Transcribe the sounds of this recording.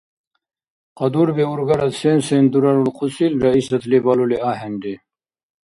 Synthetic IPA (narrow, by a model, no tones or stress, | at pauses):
qɑd̪uɾbeuɾɡaɾɐt̪sensend̪uɾaɾulqʰusilɾaisɐt̪ʰlibaluleaːɦenɖi